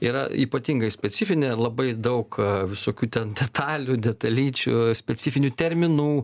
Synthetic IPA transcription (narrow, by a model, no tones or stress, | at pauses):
iːɾɐ̰ḭːpɐt̪ʲiŋɡɐɪsʲpʲɛt͡s̪ʲɪfʲɪnʲelˠɐbɐɪd̪ɐʊkʋʲɪsoːkʲuːt̪ʲɛnd̪ʲɛt̪ʰɑːlʲud̪ʲɛt̪ɐlʲiːt͡ʃʲṵsʲpʲɛsʲɪfʲɪnʲuːt̪ʲɛɾʲmʲɪnuː